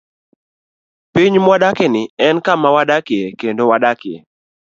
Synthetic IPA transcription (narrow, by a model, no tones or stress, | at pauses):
piɲmwadakɛnɪɛnkamawadakɪɛkendowadakɪɛ̰